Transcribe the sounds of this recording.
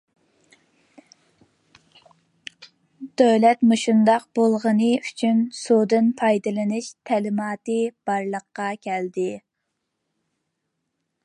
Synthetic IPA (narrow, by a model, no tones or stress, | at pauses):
d̪̥øwlɛt̪mɨʃund̪ɑqbolˠʁənɨyt͡ʃʰynsod̪ɨnpʰɑjd̪ɨlˠɨnɨʃt̪ʰɛlɪmɑːt̪ɨb̥ɑɾlˠəqːɑkʲʰɛld̪ɪ